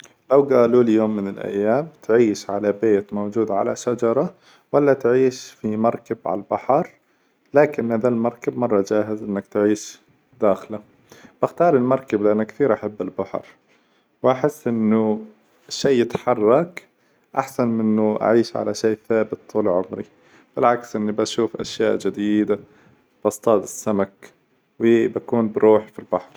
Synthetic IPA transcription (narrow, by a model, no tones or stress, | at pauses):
lawɡaːluːljoːmːɪnɪlʔa̰jːaːmt̪ʕiːʃʕa̰labeːt̪mowd͡ʒuːd̪ʕa̰la̰ʃad͡ʒɑɾˤɑ | walːat̪ʕiːʃfimɑɾˤkabʕa̰lbaħɑɾˤ | laːkɪnhaðalmɑɾˤkabmɑrˤːɑd͡ʒaːɦɪzʔɪnːakt̪ʕiːʃ | d̪̥aːxla | b̥ɪxt̪ɑːɾˤɪlmɑɾˤkablɪʔanːakθiːɾʔaħabːɪlbaħɾ | wʔaħɪsːʔɪnːʊ | ʃːeːjɪt̪ħɑrˤːɑk | ʔaħsanmɪnːʊʔa̰ʕiːʃʕa̰laʃeːθaːbɪt̪ʰːuːlʕʊmɾḭ | b̥ɪlʕaksʔɪnːibaʃuːfʔa̰ʃja̰ːʔd͡ʒɪd̪iːd̪a | b̥ɑst̪ˤɑːt̪ɪsːamak | wɪbakuːnbɪɾuːħfilbaħɾˤ